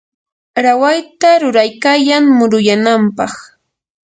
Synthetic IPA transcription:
ɾawajt̪aɾʊɾajkaːjaŋmʊɾʊjanampɑχ

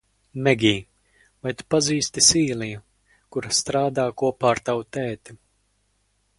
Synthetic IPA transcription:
mɛɡʲiː | vajt̪u̥paziːst̪isiːliju | kuɾast̪ɾaːd̪aːkuɔpaːɾt̪awt̪ɛːt̪i̥

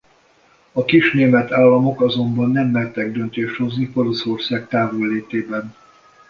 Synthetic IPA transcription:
ɒkiʃneːmɛt̪aːlːɒmo̞kɒzo̞mbɒnːɛmlɛrt̪ɛɡ̚d̪ønt̪eːʃt̪ho̞zniko̞lo̞so̞rsaːkt̪aːvolːeːt̪eːbɛn

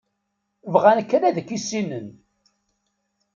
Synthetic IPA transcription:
vʁænkːɾæðəkːisinən

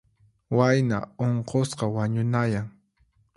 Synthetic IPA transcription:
wajna̰oɴqosqɑwaɲʊnajaŋ

